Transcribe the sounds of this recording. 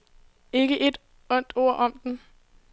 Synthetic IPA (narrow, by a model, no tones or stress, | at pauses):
e̝ɡ̥əʔe̝d̥ | ɔ̽n̰d̥o̝ɐ̰ʔɒ̽md̥en